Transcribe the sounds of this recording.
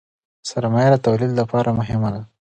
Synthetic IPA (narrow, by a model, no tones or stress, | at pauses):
saɾmɑjad̪at̪awlid̪lapɑɾamʊɦɪmad̪a